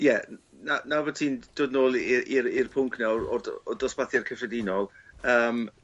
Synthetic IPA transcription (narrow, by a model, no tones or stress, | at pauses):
jɛ | nanavɔtʰiːnd̥oːdnoːlˠiɾirpʰʊŋkʰnawrɔ̰dɔdɔsb̥aθjarkʰəfrɛdɪnɔlˠəːm